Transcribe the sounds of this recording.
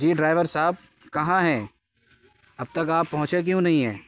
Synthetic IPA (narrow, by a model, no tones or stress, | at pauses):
d͡ʒiːɖɾaːɪʋəɾsaːb̚ | kɐɦãɦɛ | ɐb̚t̪ɐkaːpːɐɦʊ̃t͡ʃek̬jũːnɐɦĩɦɛ̃ː